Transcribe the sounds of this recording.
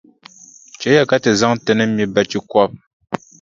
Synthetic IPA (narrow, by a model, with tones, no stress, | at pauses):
t͡ʃɛ˨˦ja˦˨ka˦tə˨za˦ŋtə˨nə˦mi˦bɛ˨t͡ʃi˦kwɔ˦˨p̚